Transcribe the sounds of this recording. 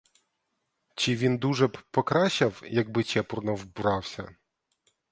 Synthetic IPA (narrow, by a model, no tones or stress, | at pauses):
t͡ʃiʋʲind̪uʒɛpɔkɾɑʃɐwjɐɡ̚bɪt͡ʃɛpurnɐwbʊɾɑwsʲɐ̰